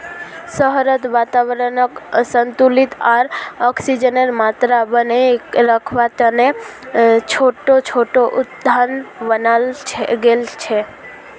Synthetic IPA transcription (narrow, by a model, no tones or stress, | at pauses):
səɦɾət̪ʋat̪aʋəɾənəksənt̪ulit̪aɾɔksid͡ʒəneɾmat̪ɾabəneɾəkʰʋat̪əne | t͡ʃʰoʈot͡ʃʰoʈoʔut̪d̪ʱanbənalʰɡelt͡ʃʰɛ